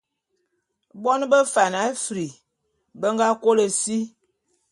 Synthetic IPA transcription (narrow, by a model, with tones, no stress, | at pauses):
bɔ˦n˦bə˦fa˨na˨˦fɾi˨ | bə˦ŋɡa˦ko˦lə˨si˦